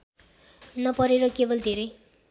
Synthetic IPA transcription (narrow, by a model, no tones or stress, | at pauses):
nʌpʌɾeɾʌkebʌld̪ʱeɾʌj